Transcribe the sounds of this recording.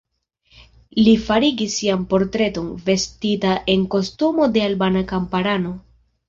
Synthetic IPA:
lifaɾiɡisːiampo̞ɾtɾe̞to̞nve̞stitaʔe̞ŋko̞stumo̞de̞albanakampaɾano̞

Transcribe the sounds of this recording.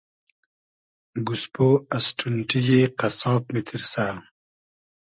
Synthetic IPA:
ɡuspoɐsʈʰunʈijeqɐsɑːpmit̪ʰiɾsaː

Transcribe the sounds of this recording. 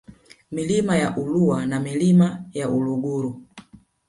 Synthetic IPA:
milimajaʔuluwanamilimajaʔuluɡuɾu

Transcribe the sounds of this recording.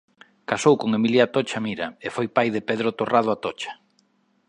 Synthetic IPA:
kasowkoŋemiljat̪ot͡ʃamiɾɐefojpajðɪpeðɾot̪orað̞ʊat̪ot͡ʃḁ

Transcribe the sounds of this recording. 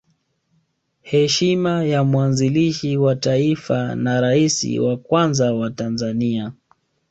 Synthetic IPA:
hɛʃimajamwanziliʃiwataifanaɾaisḭwakwanzawatanzania

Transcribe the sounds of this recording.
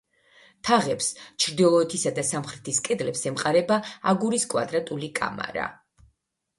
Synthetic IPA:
t̪ʰaʁɛpst͡ʃʰɾd̪ilˠɔɛt̪ʰisad̪asamχɾɛt̪ʰiskʼɛd̪lɛpsɛmqʼaɾɛbaaɡuɾiskʼwa̰d̪ɾat̪ʼulikʼa̰ma̰ɾa̰

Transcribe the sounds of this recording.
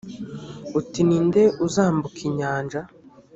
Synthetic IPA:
utininde̞uzaːmbukʰiɲaːɲd͡ʒa

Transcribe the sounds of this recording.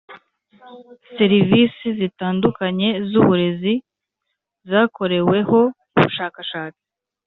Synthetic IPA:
se̞ɾiviːsizitaːndukaɲe̞zuβuɾe̞zi | zaːko̞ɾe̞we̞ho̞ | uβṵʃaːkaʃaːt͡si̥

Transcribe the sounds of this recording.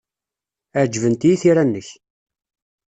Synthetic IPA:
æʕd͡ʒvənt̪ijiθiɾanːəç

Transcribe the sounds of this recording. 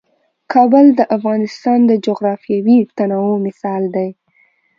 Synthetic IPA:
kʰɑbəld̪əʔafɣɑnɪst̪ɑnd̪əd͡ʒoɣɾɑfjɑwit̪anɑwumɪsɑld̪aj

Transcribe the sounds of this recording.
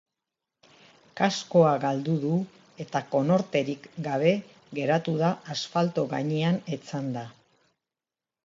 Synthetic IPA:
kasko̞aɣald̪uðu | e̞t̪ako̞no̞ɾt̪e̞ɾikɡaβ̞e̞ | ɡe̞ɾat̪uðaːsfalt̪o̞ɣa̰ɲeanet͡sand̪a

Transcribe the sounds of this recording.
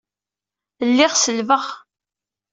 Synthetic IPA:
lːɪʁsəlvəʁ

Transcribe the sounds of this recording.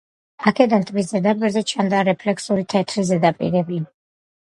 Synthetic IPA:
akʰɛd̪ant̪ʰmis̬zɛd̪apʼiɾzɛt͡ʃʰand̪aɾɛpʰlɛkʰsuɾit̪ʰɛt̪ʰɾizɛd̪apʼḭɾɛbia

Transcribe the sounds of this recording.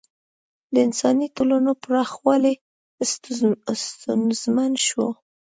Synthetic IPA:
d̪əɪnsɑnit̪olanopɾɑxwɑle | st̪ʊnzmanʃwo̰

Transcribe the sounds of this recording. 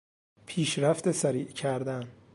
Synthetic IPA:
pʰiːʃɾæft̪esæɾiːʔcʰæɾd̪æn

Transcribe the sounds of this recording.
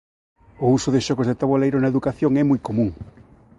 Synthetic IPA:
ʊusʊðɪʃɔɣozðet̪aβolejɾʊnɐeðukaθjoŋɛmujkomũŋ

